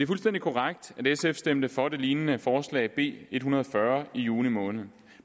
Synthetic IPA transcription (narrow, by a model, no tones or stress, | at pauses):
eæɐfulsd̥en̰d̥ikʰo̝ʁaɡ̥̚d̥ædesefsd̥em̰d̥əfɒ̽d̥e̝liːnənəfɒːslɛ̰ɪb̥e̝̰ːe̝d̥hunɐð̞̩ˠfɶɐijuːnimɔ̽ːnəð̞̩ˠ